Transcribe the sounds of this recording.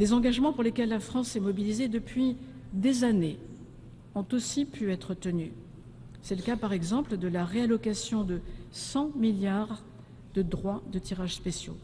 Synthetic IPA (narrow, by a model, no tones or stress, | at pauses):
d̪̥ezɑ̃ɡaʒmɑ̃puʁlekʲɛlːafχɑ̃sɛmɔbilized̪əpɥi | d̪ezane | ɔ̃t̪osipʰyɛt̪χət̪əny | sɛləkapaʁɛɡzɑ̃pləd̪əlaʁealɔkasjɔ̃d̪əsɑ̃miljaʁ | d̪əd̪ʁwad̪ət̪iʁaʒspesjo̰